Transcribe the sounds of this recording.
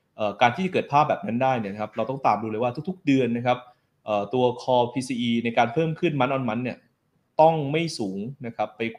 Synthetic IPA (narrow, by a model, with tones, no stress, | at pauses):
ʔɤː˨˩kaː˧nt̪ʰiː˥˩t͡ɕa˩kɤː˨˩t̪̚pʰaː˥˩p̚bɛː˨˩p̚na˦˥ndaː˥˩jni˥˩ɐna˦kʰa˦˥p̚ɾa˧wt̪ɔ˥˩ŋt̪aː˨˩mduː˧lːjwaː˥˩t̪ʰu˦˥k̚t̪ʰu˥k̚dɯ˧ənːa˦˥kʰa˦˥p̚ | ʔəː˨˩t̪u˧ɐkʰɔː˧pʰiː˧siː˧ʔiː˧na˧jkaː˧npʰɤː˥˩mkʰɯ˥˩nma˦˥nʔɔ˧nma˦˥nːi˥˩ɐ | t̪ɔ˥˩ŋma˥˩jsuː˩˦ŋna˦˥kʰa˦˥pːa˧j